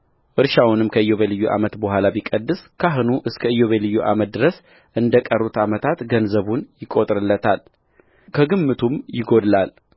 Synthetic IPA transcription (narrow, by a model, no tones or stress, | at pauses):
ʔɨɾʃawnɨmkʰəɨjo̞βelɨjːuʔa̰mət̪bəɦʷalabikʼəd̪ːɨskʰaɦɨnuʔɨskʰəɨjo̞βelɨjːuʔa̰mət̪̚d̪ɨɾəs | ʔɨnd̪əkʼərːut̪amət̪ʰat̪ɡənzəβunjɪkʼo̞t̪ʼɾɨlːət̪ʰal | kʰəɡɨmːɨt̪ʰumjɪɡo̞d̪lal